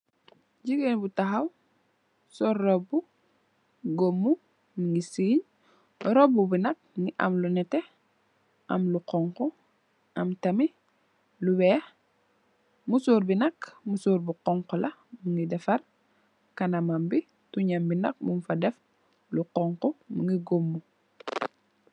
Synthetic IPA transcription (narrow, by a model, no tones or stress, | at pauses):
ɟiɡenbutaɦaw | sɔrːɔbu | ɡomːu | niŋɡisiːɲ | ɾɔbubinɐk̚ŋɡiʔa̰mlunɛte | ʔɐ̰mluqɔŋko | ɐmtɐmi | luwɛːx | musuːɾbinɐkmusuːɾbuqɔŋkɔlɐmuŋɡidɛfɐr | kanamambi | tuɲambinɐ̰k̚mumfadɛf | luqɔŋkɔmuŋɡiɡomːu